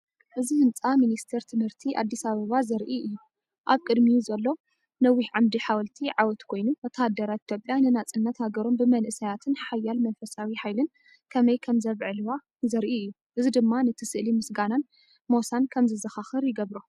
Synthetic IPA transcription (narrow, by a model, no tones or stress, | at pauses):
ʔɨzihɨnt͡sʼaminist̪ʰeɾt̪ʰɨmhɨɾt̪ʰiʔa̰d̪ːisaβɐβazɐɾʔiʔɨjːu | ʔaβkʼɨd̪mizɐlːo̞ | nɐwːiʕamd̪iħawɐlt̪ʰiʕawɔt̪kʰo̞jnuwɔt̪ʰad̪ːɐɾait̪ʰjopʼːjanɨnat͡sʼɨnːɐt̪haɡɐɾo̞mbɨmɐlʔɨsɐjat̪ʰɨnħajalmɐnfɐsawiħajlɨn | kʰɐmɐjkʰɐmzɐβʕɨlwa | zɐɾʔiɨjːu | ʔɨzid̪ɨmːanɨt̪ʰɨsɨʔlimɨsɡanan | mo̞sankʰɐmzɨzɐxaxɨɾjɪɡɐβɾu